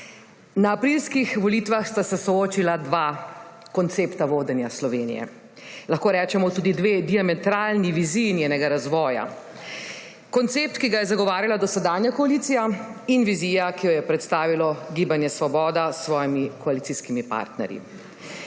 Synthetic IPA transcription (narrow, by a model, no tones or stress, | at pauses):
naːpɾilskixʋɔliːt̪ʋaxst̪asɛsɔoːt͡ʃilad̪ʋa | kɔnt̪seːpt̪aʋoːd̪ɛnjaslɔʋenḭjɛ̰ | laxkoːɾɛːt͡ʃɛmɔt̪uːd̪id̪ʋeːd̪iamɛt̪ɾaːlniʋiziːjnjɛnɛɡaɾazʋɔːja̰ | kɔnt̪sep̚t̪kiɡajɛzaɡɔʋaːɾjalad̪ɔsɛd̪aːnjakɔaliːt̪sijainʋiziːjakijɔjɛpɾɛt̪st̪aːʋilɔɡiːbanjɛsʋɔbɔːd̪asːʋɔːjimikɔalit̪siskimipa̰ːɾt̪nɛ̰ɾjḭ